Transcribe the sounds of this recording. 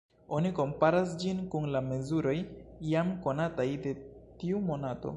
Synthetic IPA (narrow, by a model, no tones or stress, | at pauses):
o̞niko̞mpaɾas̬d͡ʒinkunlame̞zuɾo̞jjamko̞natajde̞tiumo̞nato̞̰